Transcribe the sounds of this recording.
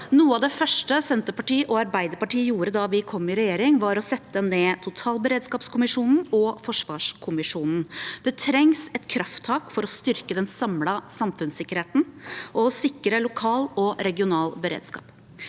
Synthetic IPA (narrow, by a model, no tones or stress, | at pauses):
nuːəɑʋd̪ɛfœʂʈəsɛnt̪əpɑʈiːʔɔɑɾbæɪd̪əɾpɑʈiːəjuːɾəd̪ɑʋɪkʰɔmːɪɾɛjeːɾɪŋʋɑɾɔsɛt̪ːəneːt̪ʰʊt̪ʰɑːlbəɾeːd̪skɑːpskʰʊmɪʂuːnn̩ɔfɔʂʋɑːʂkʰʊmɪʂuːnn̩d̪̥ɛt̪ʰɾɛŋsɛt̪kʰɾɑft̪ʰːɑːkfɔɾɔst̪ʏɾkəd̪ɛnsɑmlɑsɑmfʉnsɪkːəɾheːt̪n̩ʔɔsɪkːəɾəlʊkʰɑːlɔɾɛɡɪʊnɑːlbəɾḛːd̪skɑ̰ːp